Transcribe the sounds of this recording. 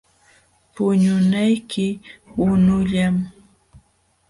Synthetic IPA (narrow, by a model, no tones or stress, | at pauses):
pʊɲʊnajkʰɪwʊnʊʎam